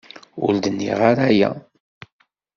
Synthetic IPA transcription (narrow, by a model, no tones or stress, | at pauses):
ʊ̰ɾd̪ənːḭʁaɾæjæ̰